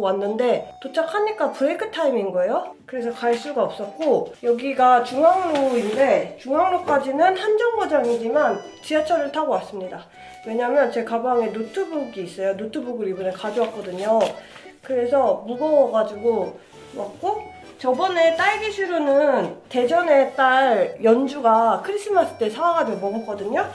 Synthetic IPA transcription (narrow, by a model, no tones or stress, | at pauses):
wanːɯnde̞tot͡ɕʰakʰaɲik͈apuɾekʰɯtʰaiminɡʌejokɯɾe̞s̬ʰʌkaɭs͈uɡaʌp̚s͈ʌt̚k͈ojʌɡiɡat͡ɕuŋaŋɾoinde̞t͡ɕuŋɦaŋɾok͈ad͡ʑinɯnhand͡ʑʌŋbod͡ʑaŋid͡ʑimant͡ɕiat͡ɕʰʌɾɯɭtʰaɡowas͈ɯmɲida | we̞ɲamjʌnt͡ɕe̞kabaŋe̞notʰɯbuɡiːs͈ʌjonotʰɯbuɡɯɾibuneɭkad͡ʑowak͈ʌdɯɲo | kɯɾe̞sʰʌmuɡʌŋɡad͡ʑuɡo | mak̚k͈o | t͡ɕʌbʌne̞t͈aɭɡiɕʰiɾonɯnte̞d͡ʑʌne̞t͈aɭjʌnd͡ʑuɡakʰɯɾis͈ʰɯmas͈ʰɯ̥t͈esʰawaɡadwemʌɡɯɭk͈ʌdɯɲo